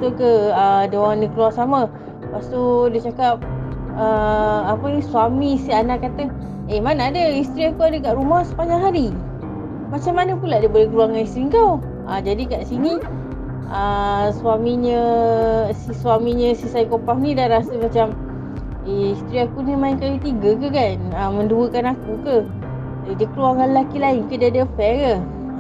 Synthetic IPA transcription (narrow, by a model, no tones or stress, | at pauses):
sokəədewanikəluarsama | past̪odat͡ʃakap̚əapənisuamisianaʔkːat̪ə | emanaːdəist̪ɾiakuadəkaʔɾumahsə̥paɲaŋɦaɾi | mat͡ʃamːanəpulaʔdabolehɡluaŋanist̪ɾiŋkaw | a̰d͡ʒadikaʔsini | əswamiɲə | siswamiɲə̃sisajkopahnidahɾasəmat͡ʃam | eist̪ɾiakunimaɪnkajut̪iɡəkəkanəmənduəkanakukə | edikəluaŋanləlakilaɪnkədaadəfɛkə